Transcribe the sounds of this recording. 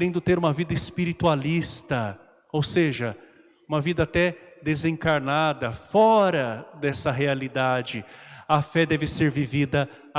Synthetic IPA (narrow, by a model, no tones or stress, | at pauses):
ɾẽnd̪ʊt̪eɾũmɐvid̪ɐespiɾit̪ualist̪ɐ | owseʒɐ | ũmɐvid̪ɐːt̪ɛd̪ezẽŋkaɾnad̪ɐfɔɾɐd̪ɛsɐɦealid̪ad͡ʒɪɐfɛd̪ɛvɪseɾvivid̪ɐ